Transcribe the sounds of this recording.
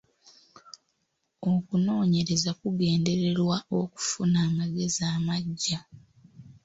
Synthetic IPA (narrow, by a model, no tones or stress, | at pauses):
o̞kuno̞ːɲe̞ɾe̞zakuɡe̞ːnde̞ɾe̞ɾwao̞ku̥funaːmaɡe̞ziaːmaɟːa